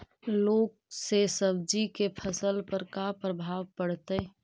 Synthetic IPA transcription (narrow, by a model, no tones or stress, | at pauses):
loːk̚sesəb̚d͡ʒikepʰəsəlpəɾkapɾəbʱaːʋpəɽ̤t̪e